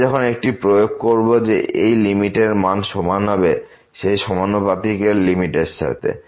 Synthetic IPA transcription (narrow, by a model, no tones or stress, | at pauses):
ɛkʰonek̚ʈipɾojoɡ̚koɹbod͡ʑeejlimiʈeɾmanʃɔmanɦɔbe | ʃejʃɔmanopat̪ikeɾlimiʈessa̰ɾt̪ḛ